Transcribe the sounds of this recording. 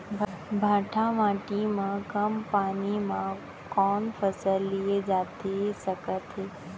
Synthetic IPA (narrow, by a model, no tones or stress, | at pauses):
bʱãːʈʰãʋãːʈimãkəmpaːnimã | kɔːnfʰəsəlːied͡ʒaːt̪esəkət̪ɦeː